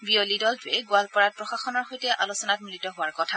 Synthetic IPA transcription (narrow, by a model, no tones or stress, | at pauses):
biolidɔltʊɹɛɡʊalpɔɹat̚pɹɔxaxɔnɔɹxojtɛʔalosɔnat̚mulitɔɦʊaɹkɔtʰa